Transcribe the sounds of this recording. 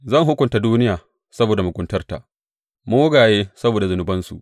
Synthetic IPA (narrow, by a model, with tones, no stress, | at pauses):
zɐ˦˨ŋɦʊ˦kʷʊ˨nta˦duː˦nɪ˦jaː˨ | sɐ˦boː˨da˨mʊ˨ɡʷʼʊ˦ntɐ˦rta̰˨ʔ | mʊ˦wʊ˦ɡaː˨jeː˦sɐ˦boː˨da˨zʊ˨nʊ˨bɐ˦nsṵ˨ʔ